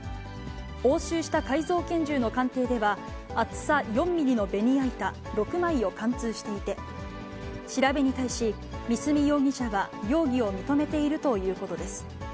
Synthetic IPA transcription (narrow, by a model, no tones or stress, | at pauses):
ho̞ːɕɨːɕi̥t̪akaizo̞ːkẽ̞ɲ̟d͡ʑɨːno̞kãnt̪e̞ːd̪e̞βa | at͡sɨ̥sajõ̞mːʲiɾʲinobe̞ɲ̟ʲiait̪a | ɾo̞kɯ̟maio̞kãnt͡sɨːɕi̥t̪e̞it̪e̞ | ɕiɾabe̞ɲ̟it̪aiɕi | mʲisɨmʲijo̞ːɡʲiɕaɡajo̞ːɡʲio̞mʲit̪o̞me̞t̪e̞iɾɯ̟t̪o̞jɯ̟ːko̞t̪o̞d̪e̞sɨ̥